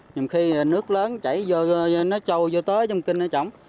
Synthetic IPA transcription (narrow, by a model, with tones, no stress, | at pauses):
ɲi˨˩wŋ͡mxi˧˨nɨ˦˥ək̚ləː˨˦nt͡ɕa̰˧˩jzə˧nɔ˨˦t͡ɕə˧wzo˧t̪əː˨˦t͡ɕwŋ͡mkï˧nnɔ˨˦t͡ɕɔ̰˧˩wŋ͡m